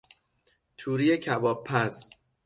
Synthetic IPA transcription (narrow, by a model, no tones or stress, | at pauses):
t̪ʰuːɾijecʰæbɒːb̚pʰːæs